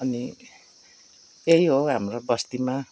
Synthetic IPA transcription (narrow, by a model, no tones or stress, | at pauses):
ʌni | ejɦoɦamrobʌst̪ima